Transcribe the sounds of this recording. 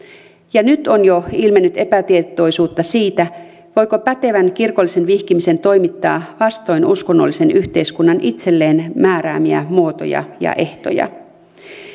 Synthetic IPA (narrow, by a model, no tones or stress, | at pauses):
jɑnyt̪o̞njo̞ilme̞nːyt̪e̞pæt̪iet̪o̞jsuːt̪ːɑsiːt̪æ | ʋo̞jko̞pæt̪e̞ʋænkirko̞lːise̞nʋihkimise̞nt̪o̞jmit̪ːɑːʋɑst̪o̞jnusko̞nːolːise̞nyht̪e̞jskunːɑnʔit̪se̞lːe̞ːnmæːɾæːmiæ̰muo̞t̪o̞̰jɑ̰jɑ̰ʔe̞ht̪o̞̰jɑ̰